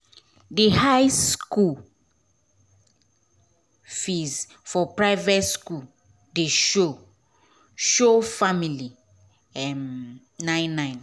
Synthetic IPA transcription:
dehaɪskul | fiz | fɔpɹaɪvɛtsku | deʃo | ʃofamili | ɛm | nãɪ̃nːãɪ̃n

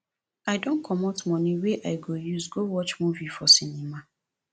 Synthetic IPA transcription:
aɪdõnkʰɔmotmɔ̃niweʔaɪɡojuzɡowɔt͡ʃmuvifɔsinima

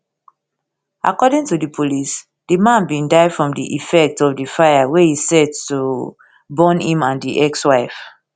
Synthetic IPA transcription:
a̰kɔdĩŋtudipʰolis | d̥imãnbĩndaɪfɹɔ̃mdiʔifɛk̚tɔfdifajawehisɛtːu | bɔ̃nĩmãndiʔɛkswaɪf

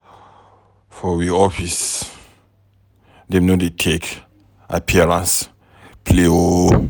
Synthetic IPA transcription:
fɔwiɔfis | dẽmnodetʰek | ʔapʰiaɹãns | pʰleo

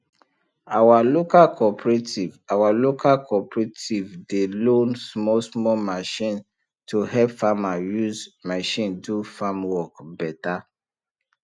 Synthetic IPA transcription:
awalokalkʰɔpɹetʰivawalokʰalkʰɔpɹetivdelõnsmɔsmɔmaʃĩn | tʰohɛpfamajuzmaʃĩndufamwɔkbɛta

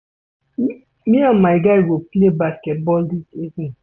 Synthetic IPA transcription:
miãnmaɪɡaɪwolplebaskɛt̚bɔldisezni

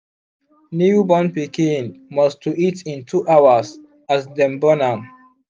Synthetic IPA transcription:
nubɔ̃npikĩnmɔstuʔitĩntʰuʔawas | asdɛ̃mbɔnãm

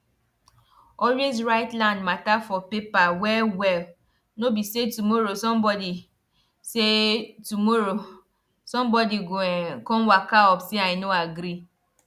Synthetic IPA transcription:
ɔɾez̬ɹaɪtlãndmatafɔpepawɛwɛl | nobisetumoɾosɔ̃mbɔdi | setumoɾo | sɔ̃mbɔdikɔ̃mwakaɔpseaɪnoaɡɾi

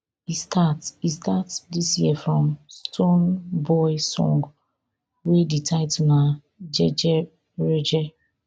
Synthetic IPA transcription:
istʰatistatdisjiɛfɹɔ̃mstʰõnbɔɪsɔ̰̃ŋɡ | weditʰaɪtuna | d͡ʒɛd͡ʒɛ | ɹed͡ʒɛ

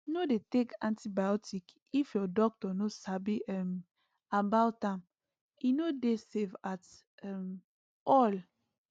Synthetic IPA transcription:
nodetekãntibajɔtik | ifjɔdɔk̚tɔnosabiɛm | abawtãm | inodesevat | ɛm | ɔl

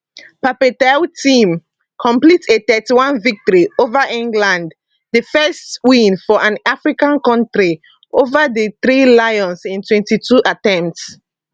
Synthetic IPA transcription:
papetɛltʰĩm | kʰɔ̃mplitʰetɛtiwãnvik̚tɔɹiovaʔĩŋɡlãnd | dəfɛstwĩnfɔʔãnafɹikãnkɔ̃ntɹi | ovadəθɹilajɔ̃nsĩntʰwɛ̃ntitʰuʔatɛ̃mpts

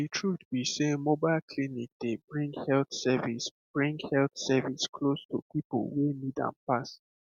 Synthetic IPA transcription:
ditʰɹutbisemobaɪlkʰlinik̚d̥ebɹĩŋɡhɛlθsɛvisb̥ɹĩŋɡhɛlθsɛviskʰlostṵpipo̰lwenidã̰npas

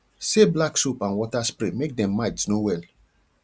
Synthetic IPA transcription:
seblaksupãnwɔtaspɹemek̚dɛ̃mːatsnowɛl

